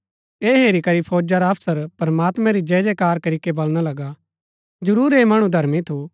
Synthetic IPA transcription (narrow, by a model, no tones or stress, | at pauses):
eːɦeːɾikɐɾipʰoːd͡ʒaɾaɐpʰsəɾpɾɐmaːt̪mɛ̃ɾid͡ʒɛːd͡ʒekaːɾkɐɾiːkebɐlɽ̃alɐɡa | d͡ʒɐɾuːɾeːmaːɽ̃ũd̪ʱɐɾmĩt̪ʰo